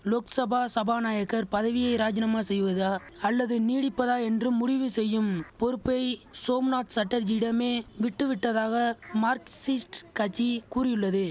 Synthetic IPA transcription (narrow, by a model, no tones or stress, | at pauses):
loːksɐbʱaːsɐbaːnaːjɐkːɐɾpɐðɐʋɪjɐɪɾaːd͡ʒɪnɐmaːsɛjːʋɐðaː | ɐlːɐðɯniːɽɪpːɐðaːɛndrɯmːʊɽɪʋɯsɛjːɯmpɔɾɯpːɐɪsoːmnaːt̪sɐʈːɐɾd͡ʒɪɪɽɐmeːʋɪʈːɯʋɪʈːɐðaːɣɐmaːɾksɪsʈkɐt͡ʃːikuːrɪjɯɭːɐðɯ